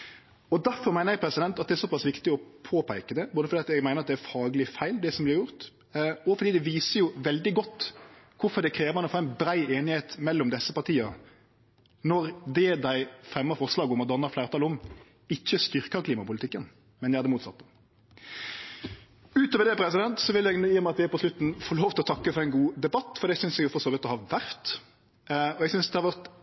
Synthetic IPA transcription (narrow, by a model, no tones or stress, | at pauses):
ɔd̪æɾfɔɾmæɪəjɛɡ̚pʰɾɛsɪd̪ɛnt̪ɑt̪̚d̪ɛæɾsɔpɑsʋɪkt̪ɪɔpʰoːpʰæɪkəd̪ɛboːdəfɔd̪iːɑt̪ɛɡmæɪəɾɑt̪d̪ɛæɾfɑːɡlɪfæɪld̪ɛsɔmblɪɾjʊʁt̪ | ɔfɔɾd̪iːd̪ɛʋiːsəjʊʋɛld̪ɪɡɔt̪ː | kʰʊfɔɾd̪ɛkʰɾeːʋəmɑnɔfoːæɪnbɾæɪʔeːnɪheːt̪mɛlːɔmd̪ɛsːəpɑʁt̪ʰiːə | nɔɾd̪ɛd̪æɪfɾɛmːəfɔɾslɑːɡʊmɔd̪ɑnəɾflæːɾt̪ʰɑːlɔm | ɪçːəst̪ʏɾkəkʰliːmɑpʊlɪt̪ɪkːən | mɛnjæhɑd̪ɛmuːt̪sɑ̰t̪̚ː | ʉːt̪ɔʋəɾd̪ɛpʰɾɛsɪd̪ɛnt̪sɔʋɪljɛɡnjiːmæɑt̪d̪ɛæɾpɔslʉt̪n̩fɔɭoːʋt̪ʰɪlɔt̪ʰɑkːəfɔɾɛɪnɡuːd̪ɛbɑt̪ːfɔɾd̪iːɛɡsʏnsɛɡjʊfɔɾsoːʋɪt̪ːɔhɑʋæɾt̪ | ɔɛɡsʏnsd̪ɛhɑɾʋæɾt̪